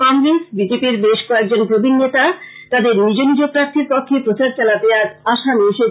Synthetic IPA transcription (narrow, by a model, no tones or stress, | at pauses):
kɔŋɡɾesbid͡ʑepiɾbeʃkɔek̚d͡ʑonpɾobʱinːet̪a | t̪ad̪eɾnid͡ʑonid͡ʑopɾaɾt̪ʰiɾpɔkʰːepɾot͡ɕaɾt͡ɕɛlad̪eaɾaʃameʃe